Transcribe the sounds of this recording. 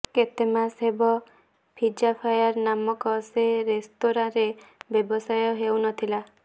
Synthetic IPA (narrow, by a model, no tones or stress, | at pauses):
ket̪emasɦebɔ | pʰid͡ʒapʰajaɾnamɔkɔseɾest̪oɾãɾebjebɔsajɔɦewnɔt̪ʰila